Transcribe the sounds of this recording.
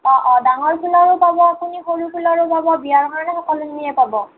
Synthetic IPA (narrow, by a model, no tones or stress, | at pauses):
ɔ̃ʔɔ̃daŋɔɹkʰulɔɹupabɔapunixoɹupʰulɔɹupabɔbiaɹkʰaɹɔnɛxɔkɔluniɛpabɔ